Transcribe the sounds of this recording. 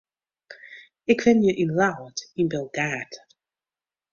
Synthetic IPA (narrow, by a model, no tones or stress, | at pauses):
ɪkvɛnjəʔɪnlawdɪnbɛlˠɡat